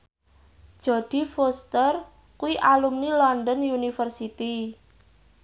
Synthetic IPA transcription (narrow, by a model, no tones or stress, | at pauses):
d̥ʒ̥ɔ̤d̪̥i̤fost̪ər | kuiʔalumnilɔnd̪ɔnjunifərsit̪i